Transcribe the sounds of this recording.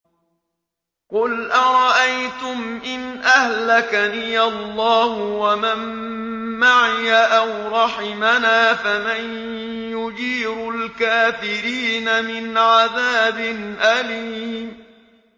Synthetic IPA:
qʊlʔaɾˤɑʔajt̪ʊmʔɪnʔahlakaniːalːɑːhʊwamamː | aʕɪjaʔawɾˤɑħɪmanaːfaman | jʊd͡ʒiːɾʊlkaːfɪɾiːnamɪnʕaðaːbɪnʔaliːm

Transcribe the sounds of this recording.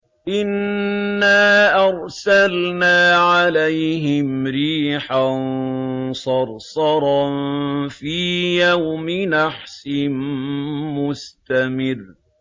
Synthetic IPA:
ʔɪnː | aːʔɑɾˤsalnaːʕalajɦɪmɾiːħan | sˤɑɾˤsɑɾˤɑnfiːjawmɪnaħsɪmmʊst̪amɪr

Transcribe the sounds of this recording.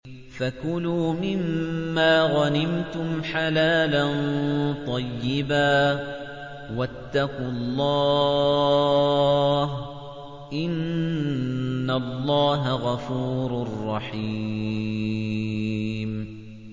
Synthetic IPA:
fakʊluːmɪmːaːɣanɪmt̪ʊmħalaːlant̪ˤɑjːɪbaː | wat̪ːaqʊlˤːɑː | ɦ | ʔɪn | alːɑːɦaɣɑfuːɾrˤːɑħi | m

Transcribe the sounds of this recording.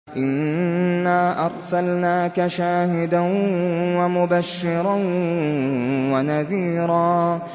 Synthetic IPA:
ʔɪnːaːʔɑɾˤsalnaːkaʃaːhɪd̪anwamʊbaʃːɪɾan | wanaðiːɾɑː

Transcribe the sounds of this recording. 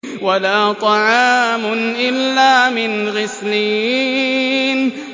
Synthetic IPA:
walaːt̪ˤɑʕɑːmʊnʔɪlːaːmɪnɣɪsliː | n

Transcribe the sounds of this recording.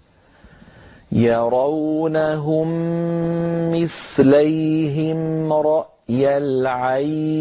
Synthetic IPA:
jɑɾˤɑwnaɦʊm | ɪθlajɦɪmɾˤɑʔʔjalʕa

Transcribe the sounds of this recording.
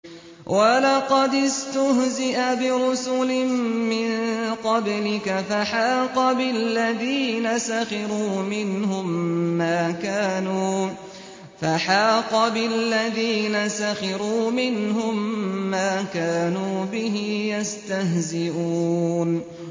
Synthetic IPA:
wʔalɑqɑd̪ɪst̪ʊɦzɪʔabɪɾʊsʊlɪmmɪnqɑblɪkafaħaːqɑbɪlːaðiːnasaxɪɾuːmɪnhʊmːaːkaːnuː | faħaːqɑbɪlːaðiːnasaxɑɾuːmɪnhʊmːaːkaːnuːbɪɦɪjast̪ahzɪʔuːn

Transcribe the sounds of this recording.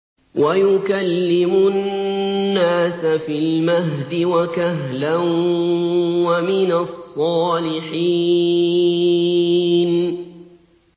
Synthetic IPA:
wʔajʊkalːɪmʊ | nːaːsafilmaɦd̪ɪwakaɦlan | wamɪnasˤːɑːlɪħiː | n

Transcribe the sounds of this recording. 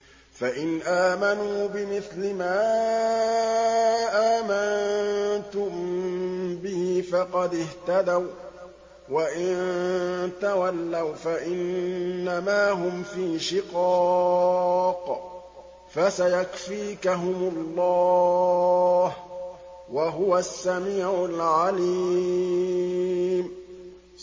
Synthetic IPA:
faʔɪnʔaːmanuːbɪmɪθlɪmaː | ʔaːmannt̪ʊm | bɪhifɑqɑd̪ɪht̪ad̪aw | waʔɪn | t̪awalːawfaʔɪnːamaːɦʊmfiːʃɪqɑ | q | fasajakfiːkaɦʊmʊlˤːɑː | h | waɦʊwasːamiːʕʊlʕali | m

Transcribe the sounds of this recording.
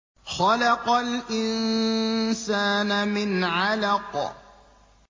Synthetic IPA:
xɑlɑqalʔɪn | saːnamɪnʕalaq

